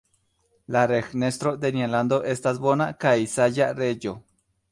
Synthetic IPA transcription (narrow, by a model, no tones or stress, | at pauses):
laɾexnest̪ɾod̪enialand̪oʔest̪asbo̞nakajsaʝared͡ʒo